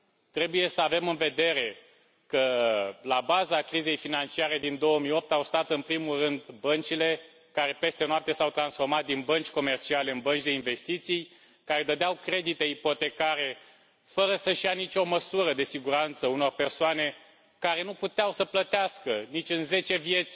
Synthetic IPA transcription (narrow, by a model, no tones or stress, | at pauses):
t̪ɾe̞buje̞səave̞mɨnve̞d̪e̞ɾe̞ | kəlabazakɾize̞jfinant͡ʃiaɾe̞d̪ind̪o̞əmijo̞p̚t̪awst̪at̪ɨnpɾimulrɨnd̪bənt͡ʃile̞ | kaɾe̞pe̞st̪e̞noap̚t̪e̞sawt̪ɾansfo̞rmat̪̚d̪inbənt͡ʃʲko̞me̞rt͡ʃialeɨnbənt͡ʃʲd̪e̞inve̞st̪it̪sij | kaɾe̞d̪əd̪eawkɾe̞d̪it̪e̞ipo̞t̪e̞kaɾe̞ | fəɾəsəʃijanit͡ʃʲo̞məsuɾəd̪e̞siɡuɾant̪səuno̞rpe̞rsoane̞ | kaɾe̞nuput̪eawsəplət̪easkənit͡ʃʲɨnze̞t͡ʃe̞vije̞t̪sʲ